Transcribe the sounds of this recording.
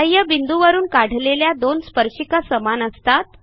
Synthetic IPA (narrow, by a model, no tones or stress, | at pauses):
əjəbind̪uʋəɾuːnkaɽ̤leljad̪onspəɾɕikəsəmanəst̪at̪̚